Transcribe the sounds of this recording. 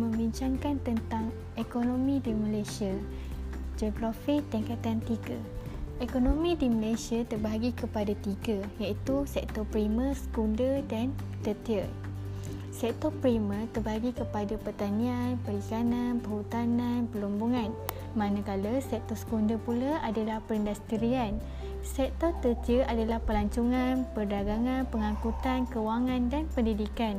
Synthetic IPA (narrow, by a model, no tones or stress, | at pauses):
mə̃mbiɲt͡ʃaŋkant̪ənt̪aŋ | ekonomĩdiməlasia | d͡ʒoɡɾafik̚t̪iŋkat̪ant̪iɡə̰ekonomĩdiməlajsiat̪ərbaɡikəpadat̪iɡəjaʔit̪usɛk̚t̪ɔpɾiməsə̥kundədan | t̪ət̪iə | sɛk̚t̪ɔpɾimə̃t̪ərbaɡikəpadapərt̪anĩanpəlikananpəhut̪ananpəlumbuŋan | manəkaləsɛk̚t̪ɔsə̥kundəpulaadalahpəɾəndast̪iɾian | sɛk̚t̪ɔt̪ət̪iəʔadalahpəlaɲt͡ʃuŋanpərdaɡaŋanpəŋãkut̪ankəwaŋandanpəndidikan